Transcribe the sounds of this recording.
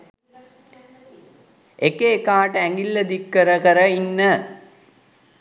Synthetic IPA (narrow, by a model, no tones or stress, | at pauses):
ʔekeːkaːʈəæŋɡilːəd̪ikːəɾəkəɾəinːə